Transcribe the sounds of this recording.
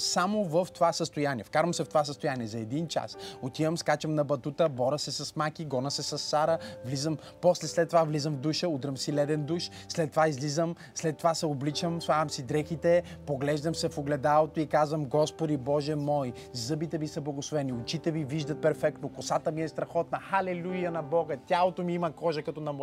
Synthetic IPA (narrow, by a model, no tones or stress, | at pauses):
samovəft̪ovasəst̪ojaniɛfkaɾvəmsɛft̪ovas̬əst̪oʊjaniɛzɐɛd̪int͡ʃa̰sot̪ivəmskat͡ʃəmnɐbɐt̪ut̪əbɔɾɐsɛsɐsmakiɡɔnɐsɛsɐsːaɾəvlizəm | pɔslɛslɛt̪ːovavlizəmvd̪uʃəud̪ɾəmsilɛd̪ɛnd̪uʃ | slɛt̪ːovaizlizəm | slɛt̪ːovasɛoblit͡ʃəmsvavɐmsid̪ɾɛxit̪ɛpoɡlɛʒd̪əmsɛfoɡlɛd̪alˠot̪oikazvɐmɡɔspod̪ibɔʒɛmɔj | zɤbit̪ɛvisɐblˠɐɡoslˠovɛniʊt͡ʃit̪ɛviviʒd̪ət̪̚pɛɾfɛk̚t̪okosat̪əmiɛst̪ɾɐxɔt̪̚nɐxɐlɛlujɐnɐbɔɡət̪ʲalˠot̪omiimɐkɔʒɐkɐt̪ɔnɐm